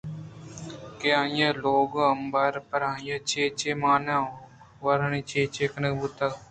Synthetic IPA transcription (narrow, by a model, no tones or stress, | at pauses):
keãːjaːloːɡəmbəɾpəɾãːjaːt͡ʃeːt͡ʃemaːnãː | ʋɐɾniːt͡ʃeːt͡ʃeːkənəkbut̪aː